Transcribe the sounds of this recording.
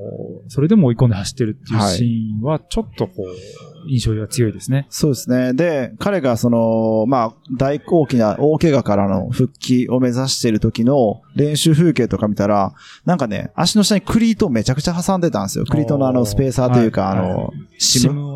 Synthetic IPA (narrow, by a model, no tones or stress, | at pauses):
so̞ɾe̞d̪e̞moːikond̪ehaɕi̥t̪ːe̞ɾɯ̟t̪ːeiɯhaaiɕĩβat͡ɕo̞t̪ːo̞koːĩɰ̃ɕo̞ːβat͡sɨjo̞id̪e̞sɨne̞so̞ːd̪e̞sɨne̞d̪e̞kaɾe̞ɡaso̞no̞maːd̪aiko̞ːkʲinaʔo̞ːke̞ɡakaɾano̞̰ɸɯ̟kʲːiʔo̞me̞zaɕi̥t̪e̞ɾɯ̟t̪o̞kʲino̞ɾẽ̞ɰ̃ɕɨːɸɯ̟ːke̞ːt̪o̞kamʲit̪aɾa | nãŋkane̞̰a̰ɕino̞ɕi̥t̪aɲ̟ikʰɯ̟ɾʲiːt̪oːme̞t͡ɕakɯ̟̥t͡ɕaɦasãnd̪e̞t̪ãnsɨjo̰kɯ̟ɾʲiːt̪o̞no̞ano̞sɨ̥pe̞ːsaːt̪o̞jɯ̟ːkaːno̞̰ɕimɯ